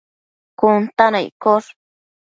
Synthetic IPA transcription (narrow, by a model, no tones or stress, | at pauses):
kʊnt̪anajkoɾ